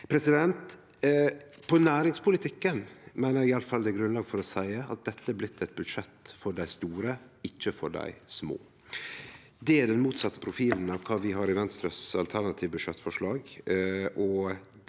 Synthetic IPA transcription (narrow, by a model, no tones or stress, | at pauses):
pʰɾɛsɪd̪ɛnt̪ | pʰɔnæːɾɪŋspʰʊlɪt̪ʰɪkːənmæɪnəɾɡɪɑləfɑld̪ɛːɡɾʉnlɑːɡfɔɾɔsæɪəʔɑ̰t̪̚d̪ɛt̪ʰːəæɾblɪt̪ʰːɛɪt̪̚bʉd̪ʂɛt̪ːfɔɖæɪst̪uːɾəɪçːəfɔɖæ̰ɪsmo̰ː | d̪ɛæɖɛnmuːt̪sɑt̪ːə̥pʰɾʊfiːln̩ɑʋkʰɑːʋɪɦɑːɾɪʋɛnst̪ɾəsɑ̰lt̪ʰæɳɑt̪ʰiːʋbʉʂɛt̪ːfɔʂɭɑːɡʔɔ